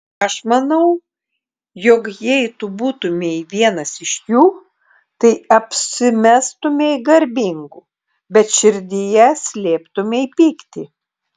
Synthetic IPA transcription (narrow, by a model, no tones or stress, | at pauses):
ɐʃmɐnɐʊ | jokjɛɪt̪ʊbuːt̪ʊmʲeiʋʲiɛnɐsɪʃjuː | t̪ɐɪɐpʲsʲɪmʲæst̪ʊmʲeɪɡɐɾʲbʲɪŋɡu | bʲɛt̪ʃʲɪɾʲd̪ʲɪjɛsʲlʲeːpt̪ʊmʲeɪpʲiːkt̪ʲɪ